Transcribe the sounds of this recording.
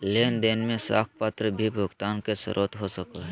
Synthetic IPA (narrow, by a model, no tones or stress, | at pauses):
leːnd̪eːnmẽsa̰ːk̚ʰpaːt̪ɾəbʱibʱʊɡt̪aːnkesə̰ɾʔoːt̪ɦosəkaɦɛ